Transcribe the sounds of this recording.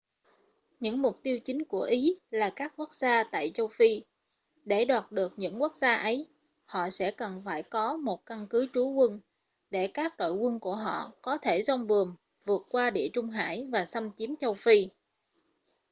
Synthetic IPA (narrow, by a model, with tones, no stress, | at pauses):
ɲɨ̰˧˥ŋmʊ˨˩k͡p̚t̪i˧əwt͡ɕï˨˦ŋ̟ku˧˩əʔi˨˦laː˨˩kaː˦˥k̚ku˦˥k̚zaː˧t̪a̰ː˧˨jt͡ɕə˧wfi˧ | ɗe˧˩ɗwaː˨˩t̚ɗɨ˨˩ək̚ɲɨ̰˧˥ŋku˦˥ək̚zaː˧ʔə˨˦j | hɔ̰˧˨sɛ̰˧˥kə˨˩nfaː˧˩jkɔ˨˦mo˨˩t̚ka˧nkɨ˨˦t͡ɕu˨˦kwə˧n | ɗe˧˩kaː˦˥k̚ɗo̰˧˨jkwə˧nku˧˩əɦɔ̰˧˨kɔ˨˦t̪ʰe˧˩zɔ˧wŋ͡mvɨ˨˩əŋ | vɨ˨˩ət̚kwaː˧ɗḭ˧˨ət͡ɕʊ˧ŋ͡mɦa̰ː˧˩jvaː˨˩sa˧mt͡ɕi˨˦əmt͡ɕə˧wfi˧